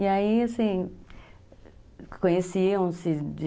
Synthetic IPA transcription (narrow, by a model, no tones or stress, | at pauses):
iaiasĩ | kõɲesiɐ̃w̃sɪd͡ʒi